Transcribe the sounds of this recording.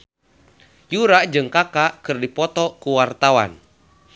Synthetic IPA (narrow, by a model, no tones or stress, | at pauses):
juɾaʔd͡ʒɨŋkakakɨrdipɔt̪ɔkuwart̪awa̰n